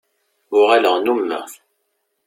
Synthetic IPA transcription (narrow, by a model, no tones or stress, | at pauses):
ʊʁaləʁnumːæ̰